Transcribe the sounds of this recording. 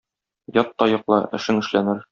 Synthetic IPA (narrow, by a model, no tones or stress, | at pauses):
jɒt̪ːɒjɤ̆qlˠɤʔɘ̆ʃɘŋɘ̆ʃlænɘɾ